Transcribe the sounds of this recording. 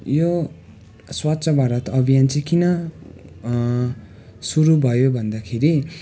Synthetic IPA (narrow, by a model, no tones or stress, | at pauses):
jo | swatːsʰʌbʱaɾʌt̪ʌbʱijant͡saĩkinʌ | suɾubʱʌjobʱʌnd̪akʰeɾi